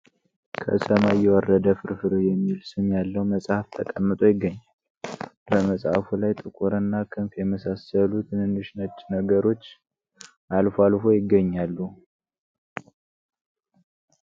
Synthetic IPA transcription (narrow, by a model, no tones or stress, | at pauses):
kʰə̰səmajɛwərːəd̪əfɨɾfɨɾujɛmːilsɨmjalːəwməsʼhaft̪ʰəkʼəmːɨt̪ʼojɪɡːəɲːal | bəməsʼhafulajt̪ʼɨkʼuɾɨnːakʰɨnfjɛməsasəlut̪ʰɨnɨnːɨʃnət͡ʃːnəɡəɾo̞t͡ʃː | ʔalfoalfo̞jɪɡːəɲːalːu